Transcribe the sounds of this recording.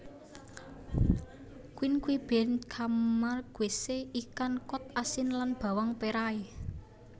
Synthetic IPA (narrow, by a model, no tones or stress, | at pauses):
kwinkwib̥ɛnkʰammarɡ̥weseikankɔt̪asɪnlanb̥a̤waŋpeɾae